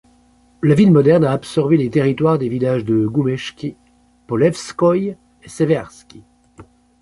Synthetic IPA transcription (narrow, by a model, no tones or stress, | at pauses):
lavilmɔd̪ɛʁnaːpsɔʁbelet̪eʁit̪waʁd̪evilaʒd̪əɡumɛʃkʲi | pɔlɛfskɔj | esevɛʁskʲi